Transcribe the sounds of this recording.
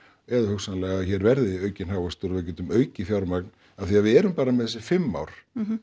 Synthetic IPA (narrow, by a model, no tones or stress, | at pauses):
ɛðahœksanlɛɣaçɛɾvɛɾðɪœːɥcɪnɦaːwvast̪uɾvɪcɛːt̪ʏmœːɥcɪfjawɾmakn | aðθiaðvɪðɛːɾʏmpaːɾamɛðɛsɪfɪmːa̰ːwɾ̥